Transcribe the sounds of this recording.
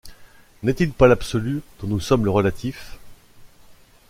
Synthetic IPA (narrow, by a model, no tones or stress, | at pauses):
nɛt̪ilpalapsɔlyd̪̥ɔ̃nusɔmləʁəlat̪ʰif